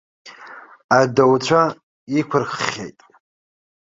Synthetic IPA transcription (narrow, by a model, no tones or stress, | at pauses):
adowt͡ɕʷʰa | ikʷʰʊrkʲḛjtʼ